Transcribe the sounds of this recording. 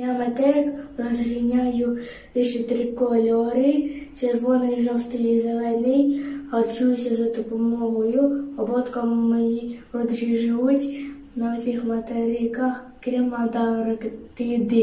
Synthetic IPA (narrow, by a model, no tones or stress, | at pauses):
jamɐt̪ɛɾɪkrɔzɾʲinʲajʊ | ɪʃɪt̪ɾɪkɔlʲɔɾɪt͡ʃeɾʋɔnɔjʒɔwt̪ɪjizelɛnɪjɦɐrt͡ʃujʊsʲɐzɐt̪ʊpɔmɔɦɔjʊɔbɔt̪kɔmmejiɔd̪ʒiʒɪʋutʲ | nɐɔsʲixmɐt̪ɛɾʲɪkaxkɾʲimɑd̪ɑɾɪkt̪ɪd̪ɪ